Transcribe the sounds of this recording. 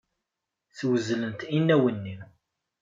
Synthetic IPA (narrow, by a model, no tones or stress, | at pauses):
θwəzlənt̪inːæwənːi